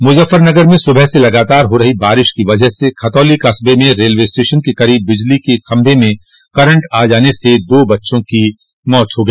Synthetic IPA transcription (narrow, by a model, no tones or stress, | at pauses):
mʊd͡ʒəfəɾnɐɡəɾmẽsʊbʱəɦselɐɡaːt̪aːɾɦoɾɐɦibaːɾɪʃkiʋɐd͡ʒəɦsekʰɐt̪ɔːlikɐsbemẽɾeːlʋeːsʈeːʃənkekɐɾiːbːɪd͡ʒlikexɐ̃mbʱemẽ | kɐɾə̃ɳʈaːd͡ʒaːnesed̪oːbɐtːʃõki | mɔːt̪ɦoɡɐiː